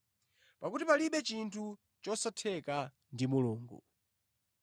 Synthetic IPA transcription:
pakutipaliɓɛt͡ʃintʰu | t͡ʃɔsatʰɛka | ndimuluːŋɡṵ

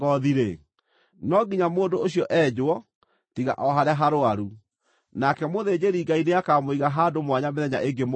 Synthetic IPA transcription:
ɔðiɾe | nɔɡiɲamoːndooɕjɔʔɛd͡ʑowɔ | tiɣa̰ʔɔɦaɾaɦaɾoaɾu | nakɛmoðed͡ʑeɾiɡaineakamoiɣaɦadomwaɲameðɛɲa̰ʔeŋɡem

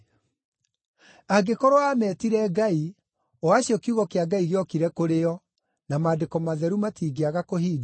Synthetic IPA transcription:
aɡekɔɾoamɛtiɾɛɡai | ɔaɕjɔkiuɣɔkeaɡaiɣeɔkiɾɛkoɾeɔ | namadekɔmaðɛɾumatiːɡeaɣakohiːd

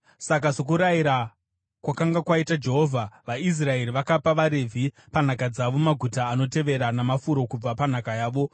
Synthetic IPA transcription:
sak̬asok̬uɾajiɾa | kwakaŋɡakwaitad͡ʒe̞ɦo̞vʱaʋais̬rae̞riʋakapaʋaɾe̞vʱi | pan̤akad͡zaʋo̞maɡʱutaːno̞te̞ʋe̞ɾanamafuɾo̞kub͡vapan̤akajaːʋo̞

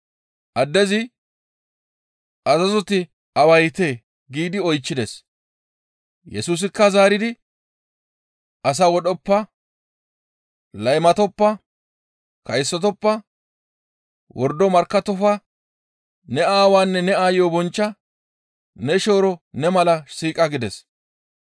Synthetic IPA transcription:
ʔɐd̪ːɛzɪ | ʔɐzɐzɔt̪ɪ | ɐwɐjt̪eː | ɡiːd̪ɪɔjt͡ʃːɪd̪es | jɛsuːs̬ɪkːɐzaːɾɪd̪ɪ | ʔɐs̬aːwɔɗɔpːɐ | lɐjmɐt̪ɔpːɐ | kɐjsːɔt̪ɔpːɐ | wʔɔɾd̪ɔmɐɾkːɐt̪ɔfɐ | nɛaːwaːnːɛnɛaːjjobɔnt͡ʃːɐ | nɛʃo̞ːɾɔnɛmɐlɐsiːkʼɐɡɪd̪ɛs

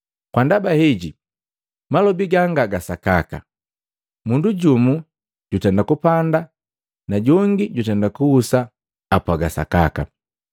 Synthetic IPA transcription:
kwandabahiɟi | malɔbiɡaŋɡaɡasakaka̰ | munduɟumu | ɟ̥utɛndakupanda | naɟɔŋɡiɟutɛndakuhusaː | pwaɡasa̰ka̰ka̰

